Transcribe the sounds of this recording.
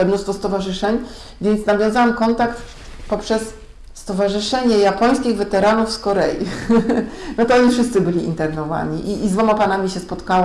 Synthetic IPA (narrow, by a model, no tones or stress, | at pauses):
ɛnust̪fɔst̪ɔvaʐɘʂɛɲ | vʲjɛnt̪snavʲjɔ̃w̃zawamkɔnt̪akt̪ | pɔpʂɛsː | t̪ɔvaʐɘʂɛɲɛjapɔj̃skʲiɣvɛt̪ɛɾanufskɔɾɛjḭ | nɔt̪ɔɔɲifʂɘst̪sɘbɘlʲiḭnt̪ɛɾnɔva̰ɲiʔiːzd̪vɔmapanamʲiɕɛspɔt̪kawɔ